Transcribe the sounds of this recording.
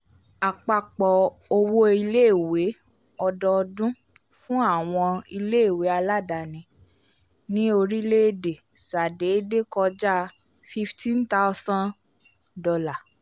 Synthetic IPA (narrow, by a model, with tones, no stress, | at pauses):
a˨k͡pa˧k͡pɔ˨ | o˧wo˦i˧le˦˨we˨˦ | ɔ˧dɔ˧ɔ˧dũ˦ | fũ˦a˦˨w̃ɔ̃˧i˧le˦˨we˨˦a˧la˦˨da˨nĩ˧˦ | nĩ˦o˧ɾi˦le˦de˨sa˨de˨˦de˦kɔ˧d͡ʒa˦ | fi˧ftĩ˦n̩˦ta˦sã˦n | dɔ˧la˨